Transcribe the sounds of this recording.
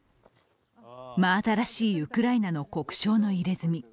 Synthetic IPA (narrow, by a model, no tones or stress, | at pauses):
maːt̪aɾaɕiːɯ̟kɯ̟ɾainano̞ko̞kɯ̟̥ɕo̞ːno̞iɾe̞zɨmʲi